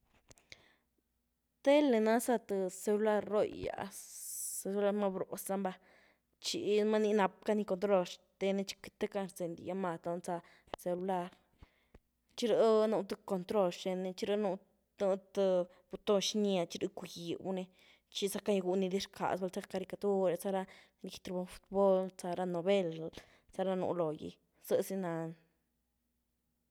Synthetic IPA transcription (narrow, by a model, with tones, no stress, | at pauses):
t̪e˦le˧na˦sa˧t̪ɨ˨˧se˧lu˧la˧ɾːo̰˦˧ja̰˨ | se˧lu˧la˧ɾma˦˧bɾo˨sa˦˧mba˧ | t͡ʃḭ˧ma˦ni˦˧na˧p̚ka˦ni˧ko˧t̪ɾo˧ʃt̪e˧ne˧t͡ʃi̥˦ki˧t̪e˦ka˧nɾt͡se˨nd̪ḭ˨ja˧ma˧t̪o˧t͡sa˧ | se˧lu˧la˧ɾ | t͡ʃi˦ɾe˦nu˧t̪a˦˧ko˧nt̪ɾo˧ʃʃe˧ne˧t͡ʃi˦ɾə˧˦nu˧ | nu˧t̪ | b̥u˧t̪o˦˧ʃnja˧t͡ʃi˦ɾɨ˦ku˧ji˨bu˦ne˧ | t͡ʃi˦sa˦ka˦jɡu˧ni˧d̪i˦ɾkʰa̰˨sba˧lt͡sa˦ka˧ɾi˧ka˧t̪u˦ɾe˧t͡sa˧ɾa˧ | ɾi˧kt̪ɾe˧bo˧fu̥˧t̪̚bo˦lt͡sa˧ɾa˧no˨be˦˧l | t͡sa˧ɾa˦˧nṵ˧˦lo˨jḭ˧ | z̥ə˧si˧na˧n